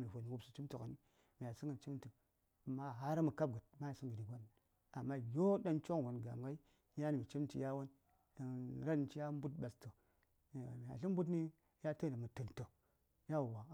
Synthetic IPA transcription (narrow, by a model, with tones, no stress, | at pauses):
mi˨vo˨ni˨wu˦su̥˨t͡ʃi˦mto˨ka˨ni˦ | mi˨ja˨si˦ŋɡə˨nt͡ʃi˦m˦ti˨m˨ | mːa˦ɦa˦ɾa˦mu˨ka˦b̚ɡa˨t̚ma˦ja˨si˦ŋɡə˨di˨ɡʷa˦n˨ | a˨mːa˦jo˦da˦nt͡ʃo˦ŋ˨ɡo˨nɡa̰˨m˨ɡa˦i˦ | ja˦ni˨mi˨t͡ʃi˦m˦ti˨ja˦wa˦n | a˨ɾa˦˨t͡ʃi˦ja˦m˦bu˦t̚ɓa˨sto˨ | m˨a̰˨ɬi˦m˦bu˦tni˦ | ja˦tə˦na˨mu˨tɨ˨nto˨ | ja˦˨wa˨